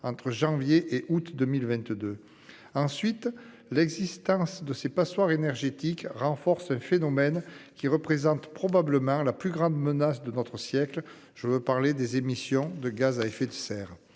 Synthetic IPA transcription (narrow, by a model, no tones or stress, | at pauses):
ɑ̃t̪χəʒɑ̃vjeʔeʔut̪d̪əmilvɛ̃t̪d̪ø | ɑ̃sɥit̪ | lɛɡzist̪ɑ̃sd̪əsepaswaʁenɛʁʒet̪ikʁɑ̃fɔʁsɛ̃fenɔmɛnkʲiʁəpχezɑ̃t̪pχɔbabləmɑ̃laplyɡʁɑ̃d̪mənasd̪ənɔt̪χəsjɛkl | ʒ̥əvøpaʁled̪ezemisjɔ̃d̪əɡazaefed̪əsɛːʁ